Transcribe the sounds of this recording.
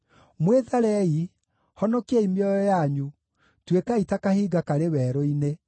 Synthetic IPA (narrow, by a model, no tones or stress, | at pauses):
mweðaɾɛi | hɔnɔkiɛimiɔjɔjaɲu | twekaitakahiɡakaɾewɛːɾɔine